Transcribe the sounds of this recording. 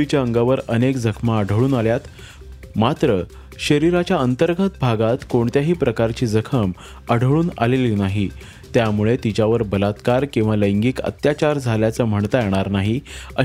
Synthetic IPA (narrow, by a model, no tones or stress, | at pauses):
it͡ɕjaəŋɡaʋəɾənekd͡zəkʰmaəɖʱəɭuːnaljat̪ | mat̪ɾə | ɕəɾiɾat͡ɕjaənt̪əɾɡʱət̪bʱaɡat̪koɳt̪jaɦiːpɾəkaɾt͡ɕiːd͡zəkʰəm | əɽʱəɭuːna̰lelinaɦi | t̪jamuɭet̪it͡ɕjaʋəɾbəlat̪kaɾkĩw̃ʋaləjŋɡikə̰t̪jat͡ɕaɾd͡zʱaljat͡səːm̤əɳt̪əjeɽ̃aɾnaɦiə